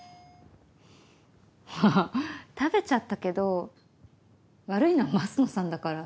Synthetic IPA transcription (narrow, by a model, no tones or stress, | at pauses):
hat̪abe̞t͡ɕat̪ːake̞d̪o̞ | βaɾɯ̟inoamasɨnosãnd̪akaɾa